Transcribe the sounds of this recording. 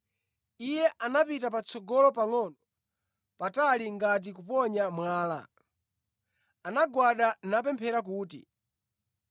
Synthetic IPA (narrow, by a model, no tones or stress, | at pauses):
ijɛʔanapitapat͡sʰɔɡɔlɔpaŋɔnɔ | pataliŋɡat̬ikupɔɲamwaːla̰ | anaɡwaɗanap̬ɛmpʰɛɾak̬uːtḭ